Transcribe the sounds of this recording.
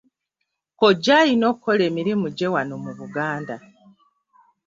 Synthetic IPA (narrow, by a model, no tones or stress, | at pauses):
koɟaːjino̞kkʰo̞leːmiɾimuɟe̞wanomuβuɡaːnda